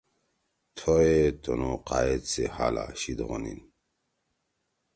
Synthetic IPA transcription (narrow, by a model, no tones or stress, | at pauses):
t̪ʰoet̪onoqajet͡sehala̰ɕid̪ʁonḭn